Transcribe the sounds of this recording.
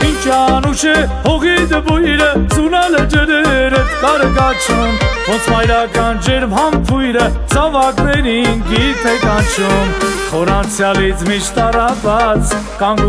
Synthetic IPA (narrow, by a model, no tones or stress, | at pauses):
int͡ʃɑnuʃɛhɔʁid̪əbujɾəd͡zunɑləd͡ʒəɾɛɾək̪ɑɾəkɑt͡ʃʰumvɔt͡smɑjɾɑkɑnd͡ʒɛɾmɦɑmpʰujɾəd͡zʰɑvɑknɛɾinkit̪ʰɛkɑnt͡ʃʰumχɔɾɑnt͡sʰjɑlit͡sʰmit͡ʃʰt̪ɑrɑvɑt͡sʰ | kɑŋɡ